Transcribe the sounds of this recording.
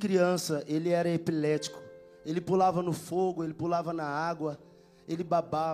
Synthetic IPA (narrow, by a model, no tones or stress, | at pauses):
kɾiɐ̃sɐʔelɪɛɾɐepilɛt͡ʃi̥kʊ̥ | elɪpulavɐnʊfoɡʊelɪpulavɐnɐaɡwɐ | elɪbaba